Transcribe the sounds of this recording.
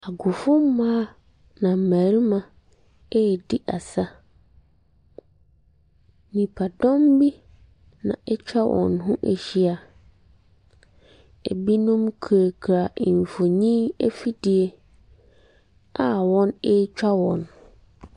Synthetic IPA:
a˨ɡʊ˨fʊ˦mː˦ãː˦ | nã˨m̩˨mæ˨ɾi˦mã˨ | ɛ˦˨di˦ʔa˨sa˦ | nĩ˨pʰa˨dɔ̃˦mbi˦ | nã̰˨ʔɛ˦t͡ɕᶣa˦wʔɔ̰̃˨nɦʊ̃˦ʔḛ˨ɕi˦a˨ | ḛ˨bi˦nũ˦mkʰɾa˨kʰɾa˨i˨ɱ˨fo˨ɲĩ˦e˦fi˦di˨e˦ | a˨wɔ̃˦nɛ˦t͡ɕᶣa˦wɔ̃˨n

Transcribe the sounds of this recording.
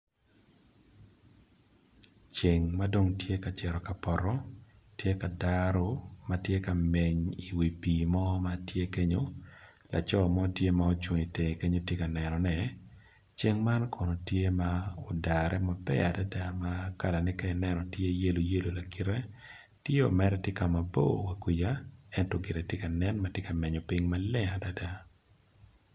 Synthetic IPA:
t͡ʃe˨ŋma˦do˦ŋtje˦ka˨t͡ʃɛ˨ɾɔ˨ka˨pɔ˨ɾɔ˦ | tje˦ka˨daɾo˦ma˦tje˦ka˨me˨ɲi˨wi˨piː˨mɔ˦ma˦tje˦ke˦ɲo˦ | la̰˨t͡ʃɔ˦˨mɔ˦tje˦mao˦t͡ʃwŋi˨te˨ŋe˨ke˦ɲo˦tje˦ka˨nɛ˨nɔ˨nɛ˨ | t͡ʃe˦ŋma˦nkʰo˨no˨tje˦maɔ˨da˨ɾɛ˦ma˨bɛ̰˦a˨da˦da˦maka˨la˨nɪ˦ka˦ɪ˨nɛnɔ˨tje˦je˦lo˨je˦lo˨la˨ki˨ɾɛ˦ | tje˦o˨mɛ˦ɾɛtje˦ka˨ma˨bo̰˦wa˨kwi˨ja˦ɛ˦ntɔɡɪ˨ɾe˨tje˦ka˨nɛ˦nma˦tje˦ka˨me˨ɲo˨pi˦ŋma˦lɛ˦ŋa˨da˦da˦

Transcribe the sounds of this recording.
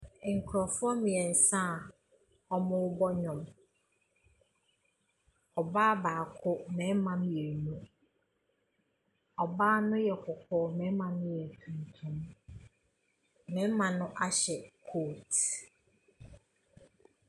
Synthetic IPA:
ŋ̩˨kʰɾɔ˨fɔ˦mɪ̃˨ɛ˨n̩˨sã˦˨ | ɔ˦mʊ̃˦wʊ˦bɔ˦ɲɔ̃˨m | ɔ˨baː˦baː˨kʰʊ˦mɛ̃˨˦mã˦m˦je˨nũ˦ | ɔ˨baː˦nʊ̃˦jɛ˨kʰʊ˨kʰɔː˨mɛ̃˨˦mã˨nʊ̃˦jɛ˨tʰũ˨n˨tʰʊ̃˦m | mɛ̃˨˦mã˨nʊ̃˦ʔa˦ɕɛ˨kʰoː˦˨t

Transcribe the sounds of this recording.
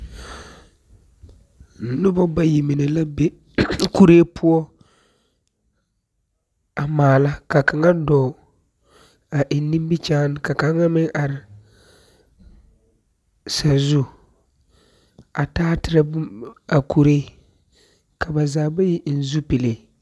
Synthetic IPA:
nʊ˦bɔ˦ba˦ji˨mɪ˨nɛ˨la˦be˦ | ku˦ɾeː˦pʰʊ˦ɔ˦ | a˨maː˨la˦ka˨ka˨ŋa˦dɔː˨ | a˨ʔɪ˨nːi˦mbi˦t͡ʃaː˦nɪ˦ka˨ka˨˦ŋa˦mɪ˦ŋʔa˨ɾɪ˨ | sa˨zu˦ | a˨taː˦tɪ˨ɾa˦a˨kʰu˦ɾeː˦ | ka˨ba˨zaː˨ba˦ji˦n̩˦zu˦pi˨le˨

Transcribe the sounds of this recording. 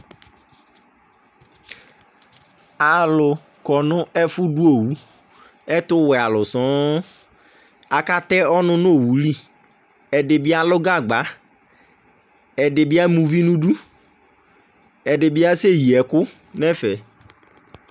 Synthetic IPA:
a˨lʊ˨ | kɔ˨nʊ˦ɛ˦fʊ˦du˦o˨wu˨˦ | ɛ˦tʊ˦wɛ˨a˨lʊ˨sɔ̃˦ | a˨ka˦t̪ɛ˦ɔ˦nʊ̃˦n˦o˦˨wu˨li˦˨ | ɛ˨dɪ˨bɪ˦a˦lʊ˦ɡa˦˨ɡ͡ba˨˦ | ɛ˨dɪ˨bɪ˦a˦mũ˨vi˦nũ˦du˦ | ɛ˨dɪ˨bɪ˦a˦se˦˨ji˨ɛ˨kʊ˦ | nɛ˦fɛ˨

